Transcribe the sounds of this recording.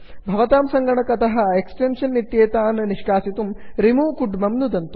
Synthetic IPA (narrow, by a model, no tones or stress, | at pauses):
bʱɐʋɐt̪aːmsɐŋɡɐɳɐkɐt̪ɐɦɐ̆eksʈenʂɐnːit̪jeːt̪aːnɐniʂkaːsit̪umɾimuːkuɖmɐmnud̪ɐnt̪u